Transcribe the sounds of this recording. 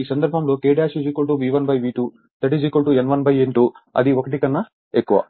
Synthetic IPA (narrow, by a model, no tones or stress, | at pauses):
iːsɐnd̪ɐɾbʱɐmlo̞ːkeːɖijaːʃud͡ʒiːkoɭʈuʋiːʋɐnbʱɐjʋiːʈu | t̪ɐʈid͡ʒiːkoɭʈuenʋɐnbʱɐjeɳʈuɐ̰d̪iokɐʈ̬ikɐnːɐ | ekːuʋɐ̰